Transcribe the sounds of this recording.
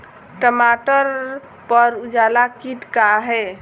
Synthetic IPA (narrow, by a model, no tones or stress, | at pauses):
ʈəmaʈəɾ | pəɾud͡ʒalakiʈkaɦɛ